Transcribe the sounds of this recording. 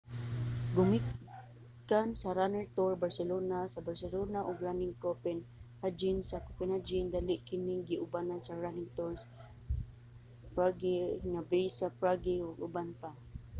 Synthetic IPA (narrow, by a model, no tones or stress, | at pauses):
ɡʊmɪ | kansaɾanɛɹt̪ɔɹbaɹsɛlonasabaɹsɛlonaʔʊɡɹanɪŋkopɛnhad͡ʒɪnsakopɛnhad͡ʒɪnd̪alɪʔkɪnɪŋɡɪʔʊbanansaɹanɪŋt̪ɔɹs | pɹaɡiŋabejsapɹaɡɪʊɡʊbanpa